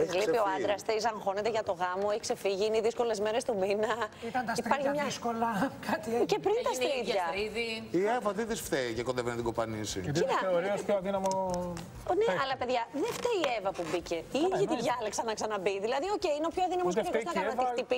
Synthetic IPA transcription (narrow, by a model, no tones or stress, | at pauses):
ɣlipioɐnd̪ɾɐst̪is̬ɐŋxo̞ne̞t̪eʝɐt̪o̞ɣɐmoeçikse̞fiʝiineiðisko̞le̞zmeɾe̞st̪uminɐit̪ɐnt̪ɐipɐɾçimɲɐskolɐkɐt̪icepɾint̪ɐst̪ɾit̪ɐɾiðiievɐðiðisft̪eicekoðevenet̪iɡopɐnisḭt̪iɐeoɾiospoɐðinɐmo | neɐlɐpe̞ðʝɐðeft̪eievɐpubice̞iʝit̪iðʝɐlɐksɐnɐksɐnɐbiðilɐðio̞ceineo̞pçoɐðinɐmossɐkoznɐkɐnɐnixt̪ipi